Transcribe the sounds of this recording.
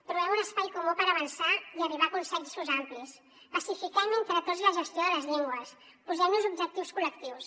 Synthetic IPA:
t̪ɾuβɛmunəspajkumupəɾəβənsaiəriβ̞akunsɛnsuzamplis | pəsifikɛment̪ɾət̪od͡zzləʒəst̪joðələzʎiŋɡwəs | puzɛmnuzubd͡ʒək̚t̪iwskuləkt̪iws

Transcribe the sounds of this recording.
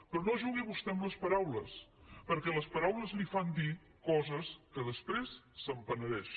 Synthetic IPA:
pɾɔnoʒuɣiβust̪ɛmləspəɾawləspəɾkɛləspəɾawləzlifand̪i | kɔzəskəðəspɾesːəmpənəɾɛʃ

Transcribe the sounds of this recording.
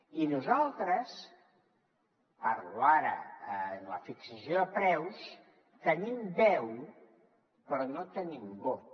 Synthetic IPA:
inuzalˠt̪ɾəs | əɾuaɾə̰nlə̰fiksəsjoðəpɾɛws | t̪ənimd̪ɛw | pɾɔnot̪ənimbo

